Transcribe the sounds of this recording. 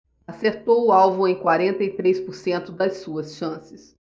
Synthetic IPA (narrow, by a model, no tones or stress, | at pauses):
aseɾt̪owʊawvũẽj̃kwaɾẽnt̪ɐjt̪ɾejspʊɾsẽnt̪ʊd̪ɐsuɐsʃɐ̃sɪs